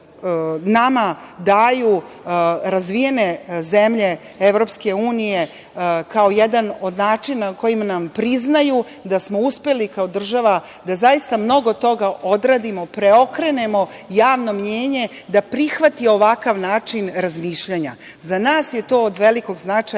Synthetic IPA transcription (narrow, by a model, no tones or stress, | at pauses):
namad̪aju | ɾazʋije̞ne̞ze̞mʎe̞ | eʋɾo̞pske̞uːnije̞ | kao̞jed̪ano̞d̪naːt͡ʃinako̞jimanampɾiznaju | d̪asmo̞uspe̞likao̞d̪r̩ʒaʋa | d̪azajist̪amno̞ɡot̪o̞ɡaʔo̞d̪ɾaːd̪imo̞pɾe̞o̞kɾe̞ne̞mo̞ | jaːʋno̞mɲeːɲe̞ | d̪apɾixʋat̪io̞ʋakaʋnaːt͡ʃinɾazmiʃʎaɲa | zanaːsjet̪o̞ːod̪ʋe̞liko̞ɡznat͡ʃa